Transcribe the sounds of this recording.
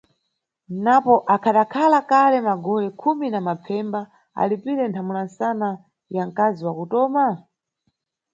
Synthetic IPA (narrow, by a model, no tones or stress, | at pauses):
napɔʔakʰaɗakʰalakalɛmaɡɔlɛkʰuminamap͡fʰɛmba | a̰lipiɾɛntʰamunansana | jaŋkaziwakutɔːma